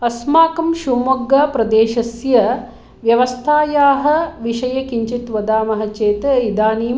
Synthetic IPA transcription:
ɐsmaːkɐmʃumɐɡːɐːpɾɐd̪eːʃɐsjɐ | ʋjɐʋɐst̪ʰaːjaːɦɐ̆ʋiʃɐjɐkiɲt͡ʃit̪ʋɐd̪aːmɐɦɐ̆t͡ʃeːt̪ɐid̪aːniː

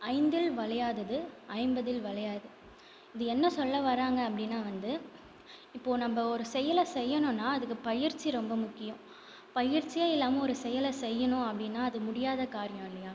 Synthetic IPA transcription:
ɐɪnd̪ɪlʋɐɭɐjaːðɐðɯɐɪmbɐðɪlʋɐɭɐjaːðɯ | ɪðɯɛnːɐsɔlːɐʋɐɾaːŋɡɐːpːɐɽɪnːaːʋɐnd̪ɯ | ɪpːoːnɐmbɐɔɾɯsɛjɐlɐsɛjːɐnʊ̃nːaːɐðɯkːɯpɐjɪɾt͡ʃːiɾɔmbɐmʊkːɪjʊ̃ | pɐjɪɾt͡ʃːɪjaːɪlːaːmɐɔɾɯsɛjɐlɐsɛjːɐnʊ̃ɐpːɐɽɪnːaːɐðɯmʊɽɪjaːðɐkaːɾɪjɐ̃ɪlːɐjaː

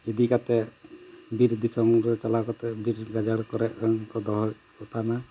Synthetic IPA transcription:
id̪ikat̪ɛ | biɾd̪isɔmɾɛt͡ʃɔlakɔt̪ɛbiɾɡad͡ʒaɽkɔɾɛʔaŋkɔd̪ɔɦɔkɔt̪ʰana

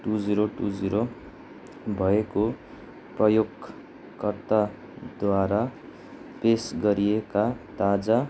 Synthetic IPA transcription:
ʈud͡ziɾoʈud͡ziɾo | bʱʌeko | prʌjoɡ | kʌrt̪a | d̪waɾa | pesɡʌɾijekat̪ad͡za

